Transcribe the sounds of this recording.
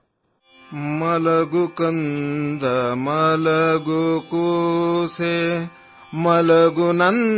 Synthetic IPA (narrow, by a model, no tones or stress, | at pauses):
mɐlɐɡukɐnd̪ɐmɐlɐɡukuse | mɐlɐɡunɐn